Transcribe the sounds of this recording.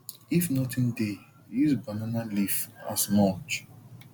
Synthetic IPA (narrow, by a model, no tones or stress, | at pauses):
ifnɔtĩnde | isbananalifa̰smɔt͡ʃ